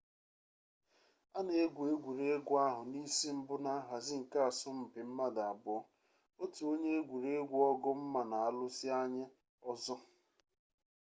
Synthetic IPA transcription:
a˦ne˨e˦ɡʷe˦ɡʷu˨ɾe˦e˦ɡʷʊ˦a˦ɦʊ˨ni˦si˦m̩˦bʊ˦na˦ɦa˨zɪ˦ŋ̩˨ka˦a˨sʊ˦m̩˨pɪ˨m̩˦ma˦da˨a˨bʊ˦ɔ˦ | o˦tu˨o˦ɲe˦e˦ɡʷu˨ɾe˦e˦ɡʷu˦ɔ˦ɡʊ˦m̩˦ma˨na˨a˦lʊ˦sɪ˦a˦ɲɪ˦ | ɔ˦zɔ˦

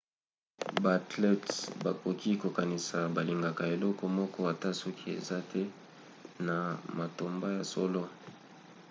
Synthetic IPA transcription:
ba˨tlɛ˦tba˨ko˨ki˦ko˨ka˨ni˨sa˨ba˨li˨ŋɡa˨ka˨e˨lɔ˦kɔ˦mɔ˦kɔ˦a˨ta˦sɔ˦kʰi˦ḛ˨za˦tʰɛ˦ | na˨ma˨to˨mba˦ja˨sɔ˦lo˦

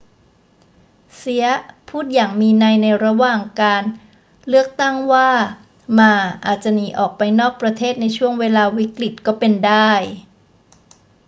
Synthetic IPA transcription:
si˨˦˥ɐpʰuː˥˩t̪̚jaː˨˩ŋmiː˧na˧jna˧jɾa˧waː˨˩ŋkaː˧n | lɯ˥˩ək̚t̪a˥˩ŋwaː˥˩ | maː˧ʔaː˨˩t̪̚t͡ɕa˨˧˩niː˨˩˦ʔɔː˨˩k̚pa˧jnɔː˥˩k̚pɾa˧t̪ʰeː˥˩t̪̚na˧jt͡ɕʰu˥˩əŋweː˧laː˧wi˦˥kli˨˩t̪̚kɔː˥˩pe˧ndaː˥˩j

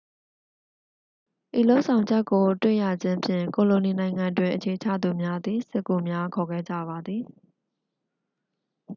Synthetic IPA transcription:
ʔi˨lo˦ʊʔsʰã˨ʊ̃ɲd͡ʑɛ˦kːo˨twḛ˦˨ja˨d͡ʑɪ̃˦mpʰjɪ̰̃˦˨ŋko˨lo˨ni˨nã˨ɪ̃ŋã˨ndwɪ̃˨ʔət͡ɕʰe˨ət͡ɕʰä̰˦˨d̪u˨mja˦d̪ði˨sɪ˦˨kːo˨mja˦kʰɔ˨ɡɛ˦˨d͡ʑä̰˦˨ba˨d̪ði˨

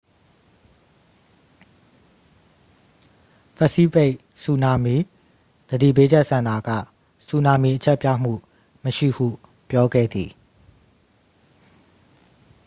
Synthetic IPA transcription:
pʰɛ˦˨si˦pe˦ʔ | su˨na˨mi˨ | d̪̥ədḭ˦˨pe˦d͡ʑɛ˦ʔsã˨nda˨ɡä̰˦˨ | su˨na˨mi˨ʔət͡ɕʰɛ˦ʔpja̰˦˨m̥ṵ˦˨ | məʃḭ˦˨hṵ˦˨ | pjɔ˦ɡɛ̰˦˨d̪i˨

